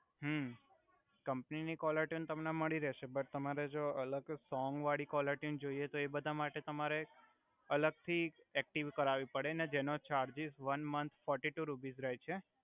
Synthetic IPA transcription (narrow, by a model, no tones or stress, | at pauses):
ɦə | kəmpninikɔləɾʈjiunt̪əmneməɭiɾɛʃebəɾt̪əmaɾed͡ʒoələɡsɔŋɡʋaɽikɔləɾʈjund͡ʒoijet̪oebəd̪ʱamaʈet̪əmaɾe | ələɡ̚t̪ʰi | ek̚ʈiʋkəɾaʋipəɽened͡ʒenot͡ʃaɾd͡ʒizʋənmənt̪ʰfɔɾʈiʈuɾupizɾəjt͡ʃʰe